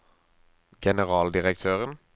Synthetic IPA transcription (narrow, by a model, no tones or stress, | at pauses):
ɡ̥ɛnəʁɑːld̪ɪʁəkt̪ʰøːʁən